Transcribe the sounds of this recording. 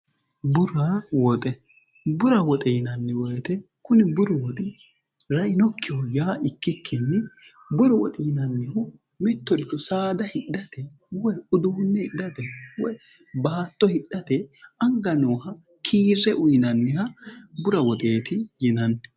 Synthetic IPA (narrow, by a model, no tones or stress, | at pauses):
bʊɾawɔt̪ʼɛ | bʊɾɐwɔt̪ʼɛnɐnːɪwɔjɛt̪ɛ | kʊnɪbʊɾɔwɔt̪ʼɪ | ɾɐʔɪnɔkːɪɔjaːʔɪkːɪkʰːɪnːɪ | bʊɾɔwɔ̰t̪ʼɪnɐnːɪhɔ | mɪt̪ːɔlkːɔsaːd̪ɐhɪɗːɐt̪ɛ | wɔjʊd̪ʊhʊnːɛhɪɗɐt̪ɛwɔj | baːt̪ːɔhɪɗɐt̪ɛɐŋɡɐnoːhɐ | kʰiːɾːɛʔʊjnɐnːɪhɐbʊɾɐwɔt̪ʼeːt̪ɪjɪnɐn